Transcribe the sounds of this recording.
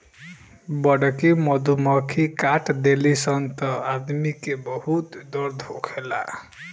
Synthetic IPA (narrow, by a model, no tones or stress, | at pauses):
bɔɽɔkimɔd̪ʱumɔkʰikaʈd̪elisɔnt̪ɔad̪mikebɔhut̪d̪ɔɾd̪ʱokʰela̰